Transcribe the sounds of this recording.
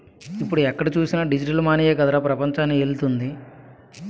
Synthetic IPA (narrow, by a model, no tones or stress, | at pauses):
ipːuɽuɛkːɐɽit͡ʃuːsinɐɖid͡ʒiʈɐlmaːnijɐkɐd̪ɐɾɐpɾɐpɐɲt͡ʃaːnːielut̪und̪i